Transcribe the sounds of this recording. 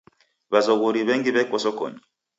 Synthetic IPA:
βazoɣoɾiβɛŋɡiβɛkɔsɔko̰ɲi

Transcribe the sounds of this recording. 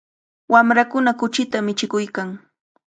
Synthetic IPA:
wamɾakʊnakʊt͡ʃɪt̪amɪt͡ʃɪkʊjkaŋ

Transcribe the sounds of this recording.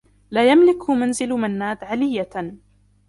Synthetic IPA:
laːjamlɪkhmanzɪlmanːaːd̪ʕalɪjːa

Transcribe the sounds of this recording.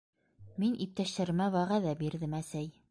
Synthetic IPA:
minʔip̚t̪æʃt̪æɾmæwæʁæðæbiɾðɘmæsæj

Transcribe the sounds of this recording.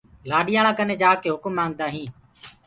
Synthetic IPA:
laːɗɪjãːɳãːkənẽːd͡ʒaːkeːɦʊkmːãːŋɡd̪aːɦĩː

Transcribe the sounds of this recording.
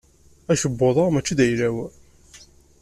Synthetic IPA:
æʃəbːoðˤəʁmæt͡ʃːiðæjɾæw

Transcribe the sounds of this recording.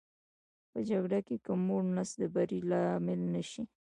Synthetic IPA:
pəd͡ʒaɡɽakekəmːoɽnasd̪əbaɾilɑmɪlnaʃi

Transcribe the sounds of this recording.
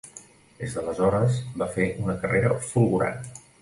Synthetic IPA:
d̪ezðələzɔɾəzbafeʔunəkəreɾəfulˠɣuɾa̰n

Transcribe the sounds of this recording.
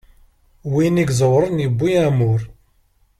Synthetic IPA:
winiɡzˤəwɾˤənjəbːiæmʊɾ

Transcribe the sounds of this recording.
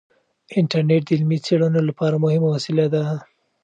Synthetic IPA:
ɪɳʈaɾneʈ̚d̪ɪlmit͡seɽənolapɑɾamʊhɪmawasɪlad̪a

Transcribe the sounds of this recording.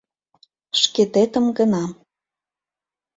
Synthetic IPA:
ʃket̪et̪ə̆mɡənɑ

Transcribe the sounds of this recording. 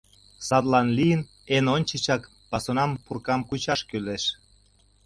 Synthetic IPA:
sɑt̪lɑnlijən | enonʲt͡ɕit͡ɕɑk | pɑsonɑmpurkɑmkut͡ɕɑʃkyleʃ

